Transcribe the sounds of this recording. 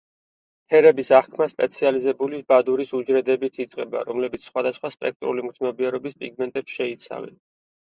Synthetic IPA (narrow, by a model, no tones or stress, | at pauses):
hʰɛɾɛbisaχkʰmaspʼɛt̪sʰializɛbulibad̪uɾisud͡ʒɾɛd̪ɛbit̪ʰit̪sʼqʼɛba̰ɾɔmlɛbit̪sʰsχwad̪asχwaspʼɛk̚ʰt̪ʼɾulimʰnɔbiɛɾɔbispʼiɡmɛnt̪ʼɛpsʃɛit̪sʰa̰vɛ̰n